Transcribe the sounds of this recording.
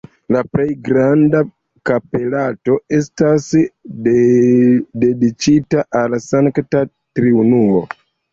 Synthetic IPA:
laple̞jɡɾanda | kape̞lato̞e̞stasd | de̞dit͡ʃitaʔalasaŋkta | tɾiunumo̞̰

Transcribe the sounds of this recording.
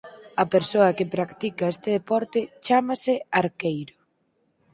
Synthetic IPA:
ɐpeɾsoɐkɪpɾakt̪ikɐest̪ɪðepɔɾt̪ɪt͡ʃamɐsɪaɾkejɾʊ

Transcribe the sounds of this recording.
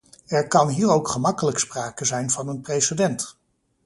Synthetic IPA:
ɛɹkɑnɦiːɹowkχəmɑkələkspraːkəzɛjnvɑnənprejsidɛnt

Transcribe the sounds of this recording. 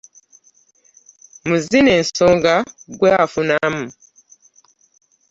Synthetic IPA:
muzineːnsoŋɡaɡweafunamu

